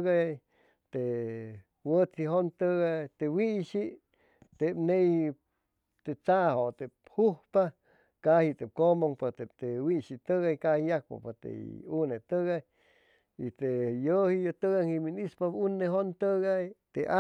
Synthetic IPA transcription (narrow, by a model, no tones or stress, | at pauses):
ɣaj | t̪e | wət͡siɦont̪əɣat̪ewiʔʃiʔ | t̪epnej | t̪et͡sahot̪ephuhpa | kahit̪ep̚komoŋpat̪et̪ewiʃit̪əɣajkahijak̚pa̰pat̪ḛunet̪əɣaj | it̪ejohijot̪əɡaŋiminispapunːeɦont̪əɣajt̪eʔa